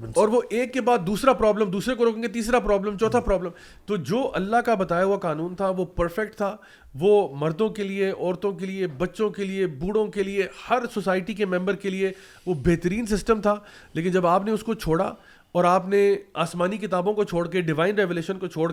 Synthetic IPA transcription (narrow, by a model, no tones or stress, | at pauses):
ɔːɾʋoʔeːkːebaːd̪ːuːsɾapɾɔːblə̃md̪uːsɾekoɾoːkẽŋɡet̪̬iːsɾapɾɔːblə̃mt͡ʃɔːt̪ʰapɾɔːblə̃m | t̪od͡ʒoːʔɐlːakabɐt̪aːjaɦuakaːnuːnt̪ʰaʋopɐɾfɛk̚ʈt̪ʰa | ʋomɐɾd̪õkelieɔːɾt̪õkeliebɐtːʃõkeliebuːɽõkeliehɐɾsosaːɪʈikemɛ̃mbəɾkelie | ʋobeːɦt̪əɾiːns̬ɪsʈəmt̪ʰaː | leːkɪnd͡ʒɐbaːpneʊskot͡ʃʰoːɽa̰ | ɔːɾaːpneaːsmaːnikɪt̪aːbõkot͡ʃʰoːɽkeɖɪʋaːɪnɾɛʋeːleːʃənkot͡ʃʰoːɽ